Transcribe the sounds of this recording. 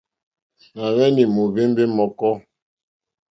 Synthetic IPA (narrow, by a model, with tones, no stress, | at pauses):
na˨wɛ˦ni˨mu˨ve˦m˦be˦mɔ˨kɔ˦